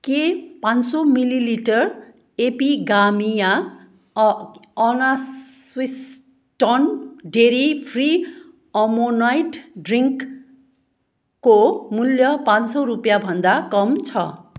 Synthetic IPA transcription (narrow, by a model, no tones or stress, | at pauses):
kepãnsomililiʈʌr | epiɡamija | ʌnaswis | ʈʌnɖeɾipʰri | ʌmonajʈɖriŋk | omuljʌpãnsoɾupjabʱʌnd̪akʌmt͡sʰʌ